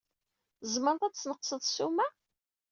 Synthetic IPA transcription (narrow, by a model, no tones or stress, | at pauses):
zməɾt̪ˤæt͡sːnəqsəðˤsumæ